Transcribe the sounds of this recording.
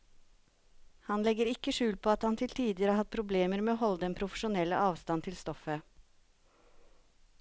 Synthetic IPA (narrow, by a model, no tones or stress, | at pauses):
hɑnlɛɡəɾɪkːəʂʉːlpʰoːɑt̪hɑnt̪ʰɪlt̪ʰiːd̪ɪəɾəhɑhɑt̪̚pʰɾʊbleːməɾmeːoːhɔld̪ɛnpʰɾʊfəʂʊnɛlːə̰ʔɑːʋst̪ɑnt̪ʰɪlst̪ɔfə